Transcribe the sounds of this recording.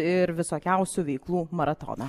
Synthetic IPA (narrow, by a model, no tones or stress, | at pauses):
ɪɾʋʲɪsoːkʲɛʊsʲuʋʲɛɪklˠuːmɐɾɐt̪o̰ːnɐ